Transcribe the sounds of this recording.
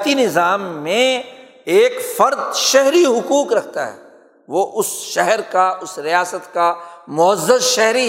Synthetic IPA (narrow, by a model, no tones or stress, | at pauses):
t̪inɪzaːmːẽ | eːkfɐɾd̪ʃɛɦɾiɦʊkuːkɾɐkʰt̪a̰ɦɛ̰ː | ʋoʔʊsʃɛɦɛɾkaʊsɾijaːsət̪kamʊəzːəzʃɛɦɾi